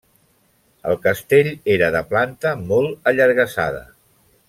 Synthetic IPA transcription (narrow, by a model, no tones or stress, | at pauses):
əlˠkəst̪eʎeɾəðəplant̪əmɔlˠəʎəɾɣ̞əsa̰ðə̰